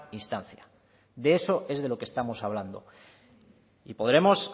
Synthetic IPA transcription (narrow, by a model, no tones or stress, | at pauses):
inst̪an̟θja | d̪e̞eso̞e̞zðe̞lo̞kest̪amo̞saβ̞land̪o̞ | ipo̞ð̞ɾe̞mo̞s